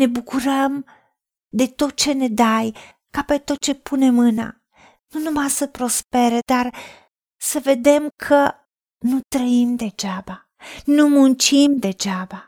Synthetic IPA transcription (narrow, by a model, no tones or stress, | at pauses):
ne̞bukuɾəm | d̪e̞t̪o̞t̪̚t͡ʃe̞ne̞d̪aj | kape̞t̪o̞t̪̚t͡ʃe̞pune̞mɨna̰ | nunumasəpɾo̞spe̞ɾe̞d̪ar | səve̞d̪e̞mkʰə | nut̪ɾəimd̪e̞d͡ʒaba | numunt͡ʃimd̪e̞d͡ʒaba